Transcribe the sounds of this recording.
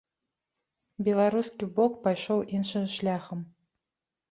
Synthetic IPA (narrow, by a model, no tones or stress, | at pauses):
bʲɛlˠaɾuskʲibɔkpajʂɔwʔinʂɨʃlʲaxəm